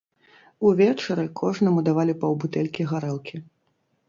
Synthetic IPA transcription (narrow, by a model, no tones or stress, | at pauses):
uvʲɛt͡ʂɐɾɨkʰɔʐnɐmud̪avalʲipɐwbut̪ɛlʲkʲiɣaɾɛlˠkʲʰi